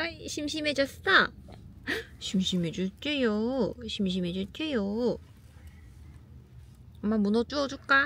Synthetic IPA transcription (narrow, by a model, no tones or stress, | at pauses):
ʌiɕʰimɕʰimed͡ʑʌst͈a | ɕʰimɕʰimed͡ʑut͡ɕ͈ejoɕʰimɕ̬ʰimed͡ʑot͡ɕ͈ejo | amːamunʌt͡ɕ͈uʌd͡ʑuɭk͈a